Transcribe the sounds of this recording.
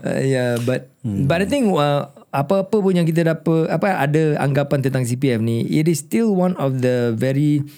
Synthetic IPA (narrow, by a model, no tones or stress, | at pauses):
jabat̪̚batajt̪ĩŋə | apəapəpʊnjaŋk̬it̪̬ədapət̪apəa̰dəa̰ŋɡapant̪ənt̪aŋs̬ipiɛfniḭtɪst̪ilwãnɔfd̪əvɛɹi